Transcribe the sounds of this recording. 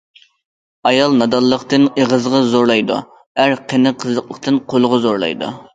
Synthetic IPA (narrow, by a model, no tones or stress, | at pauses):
ɑjɑlˠnɑd̪ɑlˠːəqt̪ɨneʁəzʁɑzoɾlˠɑjd̪ṵ | æɾqʰənɨqʰəzlːˠəqlˠəq̚t̪ɨnqʰolˠʊʁɑzoɾlˠɑ̰jd̪ṵ